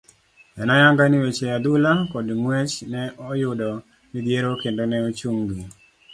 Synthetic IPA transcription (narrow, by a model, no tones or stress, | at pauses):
ɛnɔjaŋɡaniwet͡ʃead̪ʊlakɔdmwet͡ʃnɛɔjʊdɔ | nid̪jeɾokendonɛot͡ʃuŋɡi